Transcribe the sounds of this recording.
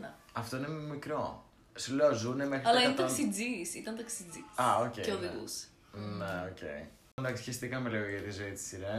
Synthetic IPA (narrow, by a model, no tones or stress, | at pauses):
ne | ɐft̪o̞inemmikɾo̞ | slozunemexɾɐlɐinet̪ɐɐksid͡zisit̪ɐnt̪ɐksid͡ziɐoceceoðiɣṵse̥ | neocḛi | ɐnd̪ɐksçist̪ikɐmelioʝɐt̪izo̞it̪i̥siɾe